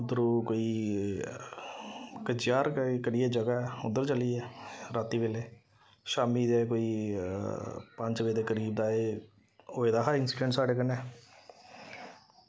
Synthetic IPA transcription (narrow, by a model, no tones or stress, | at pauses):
d̪əɾuːkoːiː | kəd͡ʒjaːɾkəɾied͡ʒəɡaʊd̪əɾt͡ʃəliːɛːɾaːt̪iʋeleː | ʃaːmiːd͡ʒɛːkoːiː | pə̃ɲt͡ʃʋeːd̪eːkəɾiːb̚d̪aːeː | oːeːd̪aːɦaɪnsi̥ɾensaːɖeːk̬ənɛː